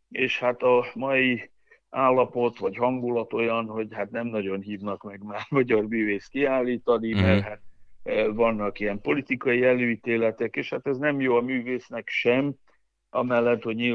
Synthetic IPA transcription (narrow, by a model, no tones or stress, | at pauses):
eːʃhat̪ɒmɒi | aːlːɒpo̞t̪ʋɒɟhɒŋɡulɒt̪o̞jɒnho̞ɟhat̪nɛmnɒɟo̞nɦiːvnɒkmɛɡmaːʃmɒɟɒrmyːveːskiaːlːiːt̪ɒnimɛrɦaːt̪vɒnːɒkijɛmpo̞lit̪ikɒjiɛløːit̪eːlɛt̪ɛkeːʃhat̪ɛznɛmjoːɒmyːveːsnɛkʃɛm | ɒ̰mɛlːɛt̪hoɟɲi